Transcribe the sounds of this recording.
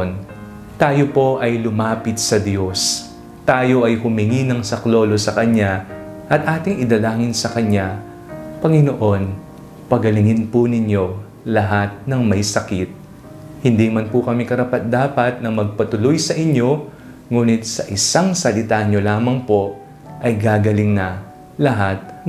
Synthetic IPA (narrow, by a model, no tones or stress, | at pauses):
n | t̪aːjo̞po̞ʔɐjlʊmaːpɪt̪̚sɐd̪jo̞s | t̪aːjo̞ʔɐjhʊmɪŋinɐŋsɐklo̞ːlo̞sɐkɐɲa | ʔɐt̪ʔaːt̪ɪŋʔɪd̪ɐlaːŋɪnsɐkɐɲːa | pɐŋɪno̞ʔo̞n | pɐɡɐlɪŋɪnpʊnɪɲo̞ | lɐɦat̪̚nɐŋmɐjsɐkɪt̪̚ | hɪnd̪imɐnpʊkɐmikɐɾɐpɐt̪̚d̪aːpɐt̪̚nɐmɐɡ̚pɐt̪ʊlojsɐʔɪɲo̞ | ŋuːnɪt̪̚sɐʔɪsaŋsɐlɪt̪aɲo̞laːmɐŋpo̞ | ʔɐjɡaːɡɐlɪŋnɐ | lɐɦat̪̚